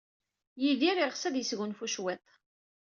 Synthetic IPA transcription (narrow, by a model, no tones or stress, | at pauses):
jiðiɾiʁsæðjəsɣʊnfuʃwɛt̪ˤ